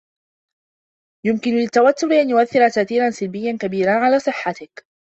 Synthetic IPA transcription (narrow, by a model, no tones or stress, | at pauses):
jʊmkɪnlɪt̪ːawat̪ːʊɾʔanjʊʔaθːɪɾat̪aːʔθiːɾansɪlbɪjːankabiːɾanʕalaːsˤɨħːat̪ɪk